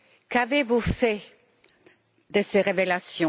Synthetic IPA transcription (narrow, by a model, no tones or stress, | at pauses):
kavevufɛ | d̪əseʁevelasjɔ̃